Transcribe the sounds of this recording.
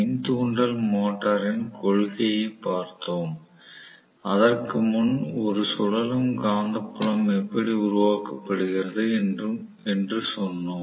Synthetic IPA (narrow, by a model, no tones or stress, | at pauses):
ɪnt̪uːɳɖɐlmoːʈːɐɾɪnkɔɭɣɐjɐɪpːaːɾt̪oːm | ɐðɐrkɯmʊnɔɾɯsɔɻɐlɯmɡaːnd̪ɐpːʊɻɐmɛpːɐɽiʊɾʊʋaːkɐpːɐɽɯɣɪrɐðɯ | ɛndrɯsɔnːoː